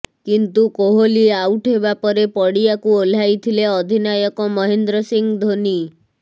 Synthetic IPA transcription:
kint̪ukoɦolieawʈɦebapɔɾepɔɽiakuol̤ajt̪ʰileɔd̪ʱinajɔkɔmɔɦend̪ɾɔsiŋɡd̪ʱoni

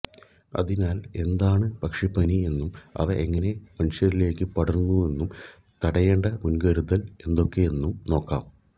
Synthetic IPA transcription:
ɐ̰ðinaːle̞nd̪aːɳɨpɐkʂepɐnie̞nːumɐ̰ʋɐʔeŋːɐne̞mɐnʂɐɾile̞ːkːɨpɐɽɐrnːue̞nːum | t̪ɐɽɐjeːɳɖɐmunɡɐɾuðɐle̞nd̪o̞kːe̞jenːumno̞ːkːa̰ːm

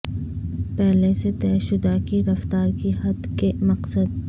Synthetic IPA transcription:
pɛɦleset̪ɛːʃʊd̪akiɾɐft̪aːɾkiɦɐd̪kemɐqsəd̪̚

